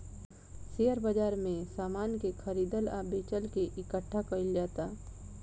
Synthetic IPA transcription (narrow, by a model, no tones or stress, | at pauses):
seːəɾbəd͡ʒaːɾmẽsaːmaːnkekʰəɾiːd̪əlaːbeːt͡ʃəlkeʔɪkəʈʰːakəɪld͡ʒaːt̪aː